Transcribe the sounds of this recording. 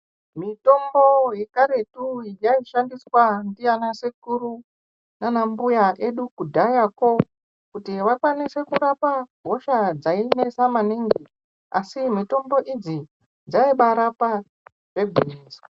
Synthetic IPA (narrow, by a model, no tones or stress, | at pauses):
mito̞mbo̞jekaɾe̞tuijaiʃandiswandijanasekuru | nanambujaʔe̞ɗukudʱajako̞ | kutiʋakwanise̞kuɾapabʱo̞ʃad͡zaine̞samaniŋɡi | a̰simito̞mbo̞ʔid͡zi | d͡zaiɓaɾapa | ʐebiriːsa